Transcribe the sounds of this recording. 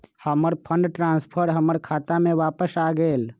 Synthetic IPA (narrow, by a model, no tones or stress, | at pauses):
həməɾpʰə̃ɳɖʈɾaːnspʰəɾɦəməɾkʰat̪amẽʋaːpəsaɡeːl